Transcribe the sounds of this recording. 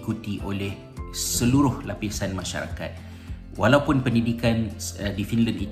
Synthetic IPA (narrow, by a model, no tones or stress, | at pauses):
kut̪iʔolɛh | səluɾʊhlapisanmãʃa̰ɾa̰ka̰t̪̚ | walawpʊnpəndidikandifinlanḭ